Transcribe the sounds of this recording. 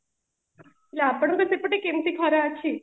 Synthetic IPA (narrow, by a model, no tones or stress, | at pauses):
lapəɳɡ̪ət̪epəʈekent̪iːkʰɔɾaat͡ɕʰiː